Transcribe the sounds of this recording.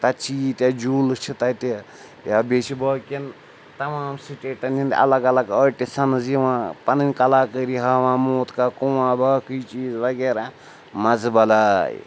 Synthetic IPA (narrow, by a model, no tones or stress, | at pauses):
t̪ɐt͡ʃiːt̪jad͡ʒuːlɨt͡ʃʰit̪ɐt̪i | jaːbet͡ʃibɐːkin | t̪ɐmaːmsiʈeːʈɐnind̪ɐ̰lɐɡɐlɐɡəːʈisɐnɨziʋãːpɐnɨnʲkɐlaːkəɾiɦɐːʋãːmoːt̪kakuwãːbɐːkɨit͡ʃiːzʋɐɡeːɾa | mɐzbɐlaːj̰